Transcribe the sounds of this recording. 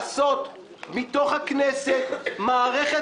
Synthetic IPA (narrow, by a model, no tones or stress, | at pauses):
so̞t̪ | mit̪o̞χhakneset̪maːʁeχe